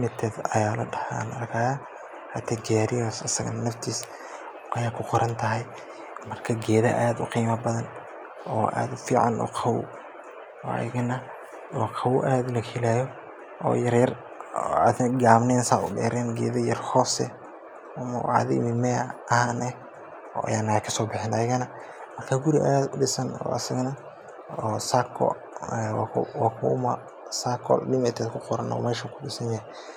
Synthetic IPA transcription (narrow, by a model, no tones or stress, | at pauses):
mɪt̪ʰːɛːd̪ɐ̰jaːlɐ̰ɖɐha̰nɐrkʰaːjaː | hɐt̪ʰaɡaɾɪjɔːsɐsɐɣɐ̰nnɐft̪ʰiːs | ʔɐjaːkʰʊqɔɾɐnt̪ʰɐɦɐj | mɐrkʰɐɡɛːðɐ̰ʔaːd̪ʊ̰qiːmɐbɐðɐn | ɔ̰ːʔa̰ːd̪ʊfiːʕɑ̰nʔɔ̰ːqʰɑw | ɔ̰jɐɡɐnɐ | ɔːqʰɑwʔaːd̪lɐkʰɛlaːjɔ | ʔɔ̰ːjɐrjɐr | ad̪ɡaːbnɛːnsaʊɗɛ̰ːɾɛːnɡɛ̰ːðɐjɐrhɔːsɛ̰ | ɐmɐ̰wʕa̰ðɪ̰mɪmɛɐhaːnɛh | ɔ̰ːʔa̰jaːnaɛkʰɐsɔːbɪħɛːnɐjɪɣɐnɐ | mɐrkʰaːɡʊɾɪʔɐ̰jaːdɪsɐnɔ̰ːɐ̰sɐɣɐnɐ | ɔsakʰɔ̰ | ɛwwaːkʰʊʊmɐ | sakʰɔ̰llɪmɛt̪ʰɛd̪kʰʊqɔɾɐnɔ̰ːmɛːʃɐkʰʊɗɪsɐnja